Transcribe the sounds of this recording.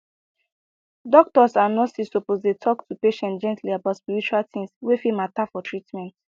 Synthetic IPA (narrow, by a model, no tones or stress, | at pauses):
dɔk̚tɔsanɔtsisopozdetʰɔktʰupeʃɛ̃ntd͡ʒɛ̃ntliabaʊtspiɹit͡ʃualtĩŋswefimatafɔtʰɹitmɛ̃nt